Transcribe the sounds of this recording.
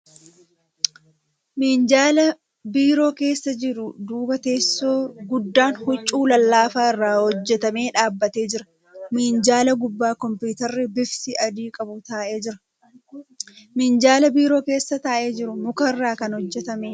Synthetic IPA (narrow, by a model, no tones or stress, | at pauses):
mind͡ʒaːlɐ | biːɾo̞ːke̞ːsːɐd͡ʒɪɾʊd̪uːbɐt̪e̞ːsoːɡʊd̪ːaːnhʊt͡ʃʼːuːlɐlːaːfaːɪrːaːhɔd͡ʒːɛt̪ɐme̞ːᶑaːbːɐt̪e̞ːd͡ʒɪɾɐ | miːnd͡ʒaːlɐɡʊbːaːkɔmpuːt̪ɐɾːɪbɪfsɪʔɐd̪iːkʼɐbʊt̪aːʔe̞ːd͡ʒɪɾɐ̥ | mɪːnd͡ʒaːlɐbiːɾo̞ːke̞ːsːɐt̪aːʔe̞ːd͡ʒɪɾʊmʊkɐrːaːkɐnhɔd͡ʒːɛt̪ɐmeː